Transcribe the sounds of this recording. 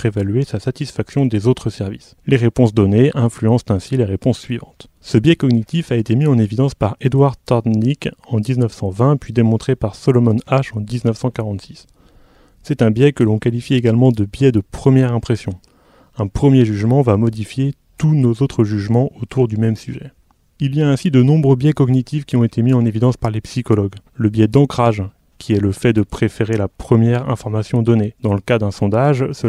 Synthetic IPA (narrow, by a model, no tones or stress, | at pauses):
evalɥesasat̪isfaksjɔ̃d̪ezot̪χəsɛʁvḭs | leʁepɔ̃s̬d̪ɔneʔɛ̃flyɑ̃st̪ɛ̃sileʁepɔ̃sːɥivɑ̰̃t̪ | səbjɛkɔɡnit̪ifaet̪emiɑ̃nevid̪ɑ̃spaʁed̪waʁt̪ɔʁd̪nikɑ̃d̪iznəfsɑ̃vɛ̃pɥid̪emɔ̃t̪χepaʁsɔlɔmɔnaʃɑ̃d̪iznəfsɑ̃kaʁɑ̃t̪si̥sː | ɛt̪ɛ̃bjɛkəlɔ̃kalifieɡalmɑ̃d̪əbjɛd̪əpχəmjɛʁɛ̃pχesjɔ̃ | ɛ̃pχəmjeʒyʒmɑ̃vamɔd̪ifjet̪unozot̪χəʒyʒmɑ̃ʔot̪ʰuʁd̪ymɛmsyʒɛ | ilijaɛ̃sid̪ənɔ̃bʁøbjɛkɔɡnit̪ifkʲiɔ̃et̪emiɑ̃nevid̪ɑ̃spaʁlepsikɔlɔɡləbjɛd̪ɑ̃kχaʒ | kʲʰiɛləfɛd̪əpχefeʁelapχəmjɛʁɛ̰̃fɔʁmasjɔ̃d̪ɔned̪ɑ̃ləkad̪ɛ̃sɔ̃d̪aʒsə